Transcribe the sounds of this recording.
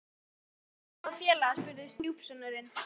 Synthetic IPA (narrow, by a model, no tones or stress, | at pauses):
afjɛːlaaspʏɾðʏst̪juwpsɔnʏɾɪn